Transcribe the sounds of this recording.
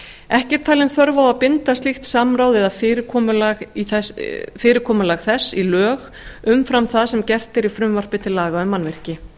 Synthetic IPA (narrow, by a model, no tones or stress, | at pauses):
ɛhcɛɾ̥t̪ʰaːlɪnθœɾvawaðpɪnt̪ast̪lixt̪samɾaːwðɛðafɪːɾɪkʰɔːmʏlaɣiθɛfɪːɾɪkʰɔːmʏlaɣθɛsːilœːɣ | ʏmfɾamθaðsɛmcɛr̥t̪ɪɾifɾʏmvar̥pɪt̪ʰɪlːaːɣaʏmːanvɪr̥cɪ